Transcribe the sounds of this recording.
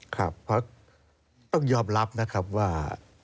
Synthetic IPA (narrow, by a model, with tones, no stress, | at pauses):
kʰa˦˥pʰːa˦˥k̚ | t̪ɔ˥˩ŋjɔː˧˩mla˦˥p̚na˦˥kʰa˦˥p̚waː˧˩